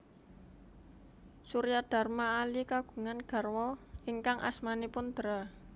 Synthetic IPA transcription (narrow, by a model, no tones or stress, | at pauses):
suɾjad̪̥a̤rmaːlikaɡ̥ṳŋanɡ̥a̤rwɔiŋkaŋʔa̰smanepʊnd̪̥ɾa